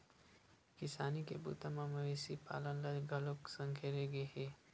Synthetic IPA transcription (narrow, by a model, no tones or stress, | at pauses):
kɪsaːnikebṵːt̪amãmɐʋeːsipa̰ːlənləɡʱɐloksə̃ŋkʰeɾeɡeɦeː